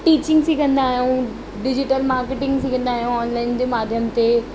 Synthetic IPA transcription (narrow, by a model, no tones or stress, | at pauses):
ʈiːt͡ɕɪ̃ŋɡsɪkʰɐ̃nd̪aːɦijũ | ɖɪd͡ʑɪʈəlmaːɾkeʈɪ̃ŋɡsɪkʰə̃nd̪aːɦijũɔːnlaːɪnd͡ʑeːmaːd̪ʱjəmt̪e